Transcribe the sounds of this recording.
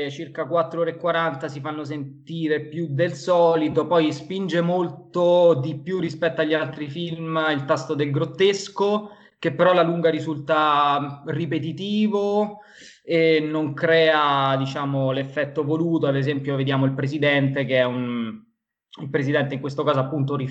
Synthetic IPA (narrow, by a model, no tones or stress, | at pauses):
t͡ʃirkakwat̪ːɾooːɾeekːwaɾant̪asifanːos̬ent̪iːɾepjud̪elsɔːlit̪opɔjspind͡ʒemolt̪od̪ipjurːispɛt̪ːoaʎːialt̪ɾifilmilt̪ast̪od̪elɡɾot̪ːesko | k̟epːeɾɔlaluŋɡaɾizult̪a | ripet̪it̪iːvo | enːoŋkɾɛːad̪it͡ʃaːmolefːɛt̪ːovoluːt̪oad̪ezɛmpjoved̪jaːmoilpɾesid̪ɛnt̪ekeɛun | ilpɾesid̪ɛnt̪eiŋkwest̪okaːzoapːunt̪ori